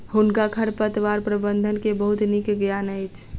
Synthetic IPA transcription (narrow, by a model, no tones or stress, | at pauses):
hunkakʰəɾpət̪ʋaɾpɾəbənd̪ʱənkebəɦut̪nikɡjanəjt͡ʃʰ